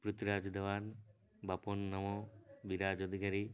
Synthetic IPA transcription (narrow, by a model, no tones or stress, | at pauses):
pɾut̪ɾaːd͡ʒd̪ɐʋan | bɐponːɐmobiɾaːd͡ʒod̪ʱikaɾi